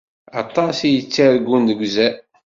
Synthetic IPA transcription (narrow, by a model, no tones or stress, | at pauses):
ɑt̪ˤːɑsijət͡sːaɾɡʷːund̪əɡʷzæ